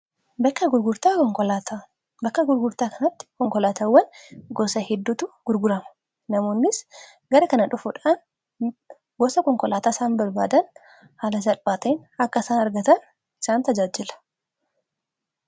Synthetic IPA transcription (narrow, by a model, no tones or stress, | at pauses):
bɐkːɐɡʊɾɡʊɾt̪aːɔŋkɔlat̪ː | bɐkːɐɡʊɾɡʊɾt̪aːkɐnɐt̪ːɪ̥kɔŋkɔlaːt̪ɐwːɐnɡɔsɐhɛd̪ːʊt̪ʊɡ̥ʊɾɡʊɾɐmɐ̥ | nɐmo̞ːnːɪs | ɡɐɾɐkɐnɐᶑʊfʊᶑaːn | ɡɔsɐkɔŋkɔlaːt̪aːsaːnbɐɾbaːd̪ɐn | haːlɐs̬ɐlbaːt̪enɐkːɐɪsaːnɐɾɡɐt̪ɐn | ɪ̥saːnt̪ɐd͡ʒaːd͡ʒɪlɐ̥